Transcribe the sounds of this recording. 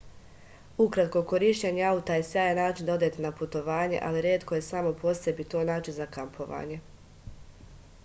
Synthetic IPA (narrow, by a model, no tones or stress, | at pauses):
ukɾat̪ko̞ko̞ɾiːʃt͡ɕeɲeaut̪aje̞sjaːjenaːt͡ʃind̪o̞d̪et̪enaput̪o̞ʋaːɲe̞̰ʔa̰liɾjeːt̪ko̞je̞samo̞po̞sje̞bit̪o̞ːnaːt͡ʃinzakampʰo̞ʋa̰ːɲe̞